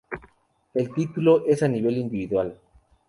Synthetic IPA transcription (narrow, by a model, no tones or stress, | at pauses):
e̞lt̪it̪uloʔe̞saniβ̞e̞lind̪iβiðwal